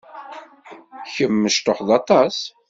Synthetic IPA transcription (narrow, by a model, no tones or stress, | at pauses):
çəmːəʃt̪oħðɑt̪ˤɑs